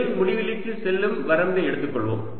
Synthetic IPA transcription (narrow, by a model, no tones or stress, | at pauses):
ɪɾmʊɻɪʋɪlɪkːɯsɛlːɯmʋɐɾɐmd̪ɐɛɽɯt̪ːɯkːɔɭʋo̰ːm